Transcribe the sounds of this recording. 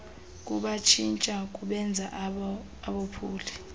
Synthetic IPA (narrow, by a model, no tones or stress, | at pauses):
k̬ʼuɓat͡ʃʰint͡ʃʼak̬ʼuɓɛnd͡zʱaʔ | aɓopʰuːli